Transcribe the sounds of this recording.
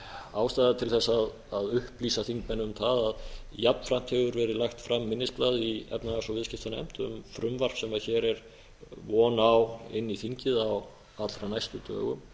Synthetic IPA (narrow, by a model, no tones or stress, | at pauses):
aːwst̪ajðat̪ʰɪlθɛsːaːð | aðʏhpliːsaθiŋkmɛnːʏmθaðaðjapn̥fɾam̥t̪ʰɛɣʏɾvɛɾɪlajxt̪fɾamːɪnːɪsplaðiɛ̰pnaasɔvɪðscɪft̪anɛ̰m̥t̪ʏ̰mfɾʏmvar̥psɛmaðçɛɾɛɾ | vɔːnawɪ̰nːiθiɲcɪðaw | at̪lɾanajst̪ʏt̪œ̰ːɣʏ̰m